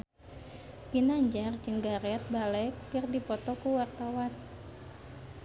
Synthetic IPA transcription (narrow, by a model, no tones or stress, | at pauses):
binaɲd͡ʒart͡ʃəŋɡaɾɛt̪̚balɛkːɨrdipɔt̪ɔkuwart̪awan